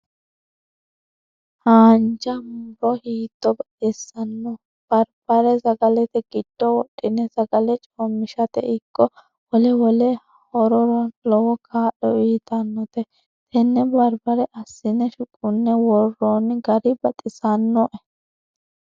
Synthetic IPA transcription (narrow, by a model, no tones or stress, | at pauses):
haːnd͡ʒɐmʊɾɔhiːt̪ːɔbɐᶑɛsɐnːɔ | b̥ɐɾb̥ɐɾɛsɐɡɐlɛt̪ɛɡɪd̪̥ːɔwɔɗʼːɪnːɛsɐɡɐlɛt͡ʃʼɔmːɪʃɐt̪ɛ̰ʔɪkːɔ | wɔlɛwɔlɛ | hɔɾɔɾlɔwɔkʰaːʔɔiːt̪ɐnːɔt̪ɛ | t̪ʰɛnːɛbɐɾbɐɾɛʔɐsːɪnːɛʃʊkʼːʊnːɛwɔrːonɡɐɾɪbɐt̪ʼɪsɐnːɔʔɛ